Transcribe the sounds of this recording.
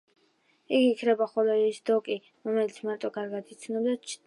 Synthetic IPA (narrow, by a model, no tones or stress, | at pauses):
iɡikʰnɛbaχɔlɛɾsd̪ɔkʼi | ɾɔmɛlit̪sʰmaɾt̪ʼɔɡaɾɡad̪it̪sʰnɔbd̪at͡ʃ